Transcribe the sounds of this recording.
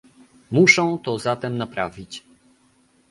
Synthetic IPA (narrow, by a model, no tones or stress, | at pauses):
muʂɔ̃w̃t̪ɔzat̪ɛmnapɾavʲit͡ɕ